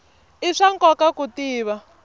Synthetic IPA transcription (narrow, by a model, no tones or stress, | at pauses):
iʂaŋkɔkakutiːβa